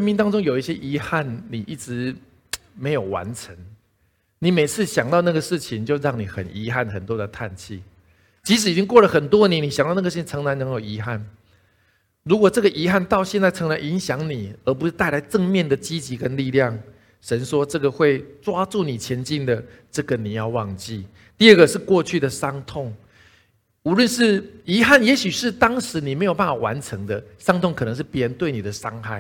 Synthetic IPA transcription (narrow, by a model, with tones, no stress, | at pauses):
ə˥nmi˥˧nt̪ɑ˥ŋʈ͡ʂo˥ŋjo˨˩ʊi˥˩ɕjɛ˦˥ʔi˧˥xa˥˩nni˨˩ʔi˥˩ʈ͡ʂɻ̩˧˦ | me˧˥ɪjo˨˩ʊwa̰˧˦nʈ͡ʂʰə˧˦ŋ | ni˨˩me˨˩ɪt͡sʰɹ̩˥˩ɕjɑ˨˩ŋt̪ɑ˥˧ʊna˥˩ɡə˩ʂɻ̩˥˩t͡ɕʰi˨nt͡ɕjo˥˧ʊɻɑ˥˩ŋni˨˩xə̰˨˩ni˧˥xa˥˩nxə˨˩nt̪wɔ˦˥d̪ə˨t̪ʰa̰˥˧nt͡ɕʰḭ˥˩ | t͡ɕi˧˥ʂ̬ɻ̩˨˩i˨t͡ɕi˦˥ŋkwɔ˥˩lə˩xə˨˩nt̪wɔ˥ni˧˦ni˨˩ɕŋt̪ɑ˥˧n˥˩˧ʂ̩˥˩t͡ɕʰi˧nʈ͡ʂʰɤ˧˦ŋna˧˦nɤ˧˦ŋjo˨˩i˧˥xa˥˩n | ɻu˧˥kwɔ˨˩ʈ͡ʂɤ˥˩ɡə˩ʔi˧˥xa˥˧nt̪ɑ˥˧ʊɕjɛ˥˧nt͡sa˥˩ɪʈ͡ʂʰɤ˧˥ŋna˧˦ni˧˥nɕjɑ˧˥ŋni˨˩ə˧˥p̬u˧ʂɻ̩˥˧t̪a˥˩ɪla˧˥ɪʈ͡ʂə˥˧ŋmjɛ˥˩nd̪ə˩t͡ɕi˦˥t͡ɕi˧˥kə˦nli˥˧ljɑ˥˨ŋ | ʂə˧˦nʂwɔ˦ʈ͡ʂɤ˥˩ɡə˩xwe˥˩ɪt͡swa˥t͡su˥˩ni˨˩t͡ɕʰjɛ˧˦nt͡ɕi˥˩nd̪ə˩ | ʈ͡ʂə˥˩ɡə˨ni˨˩jɑ˥˧ʊwɑ˥˧ŋt͡ɕi˥˨ | t̪i˥˧ə˥˩ɡə˨ʂɻ̩˥˧kwɔ˥˧t͡ɕʰy˥˩d̪ə˩ʂɑ˥ŋt̪ʰʊ˥˩ŋ | u˧˥lwə˥˧nʂɻ̩˥˩i˧˥xa˥˩njɛ˧˥ɕy˨˩ʂɻ̩˥˩t̪ɑ˥ŋʂɻ̩˧˥ni˨˩me˧˥ɪjo˨ʊp̬a˥˩fa˨˩wa̰˧˦nʈ͡ʂʰə˧˦ŋd̪ə˧ʂɑ˥ŋt̪ʰʊ˥˨ŋkʰn˧˦ŋʂɻ̩˥˩pjɛ˦˥ɻə˧˦nt̪we˥˩ɪni˨˩d̪ə˩ʂɑ˦ŋxa˥˩ɪ